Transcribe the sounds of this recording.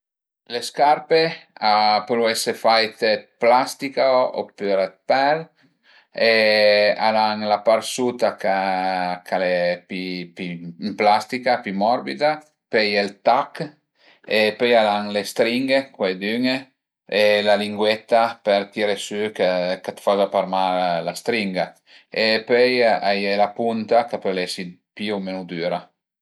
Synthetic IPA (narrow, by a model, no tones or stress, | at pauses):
leskaɾpeapɾuɛsefajt̪et̪̚plast̪ikao̰pyɾet̪̚pɛl | ea̰laŋlapaɾsut̪akakʰalepipimplast̪ikapimɔɾbid̪a | pejelt̪ak | epøjalaŋlest̪ɾiŋɡekwejd̪yŋ | elaliŋɡwɛt̪ːapeɾt̪iɾesykakat̪fazapaɾmalast̪ɾiŋɡa | epøjajelapunt̪akapølɛsipiomenud̪yːɾa